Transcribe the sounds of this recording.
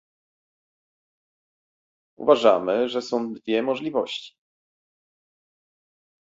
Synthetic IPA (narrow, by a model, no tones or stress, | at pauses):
ṵvaʐamɘʐɛsɔ̃w̃d̪vʲjɛmɔʐlʲivɔɕt͡ɕi̥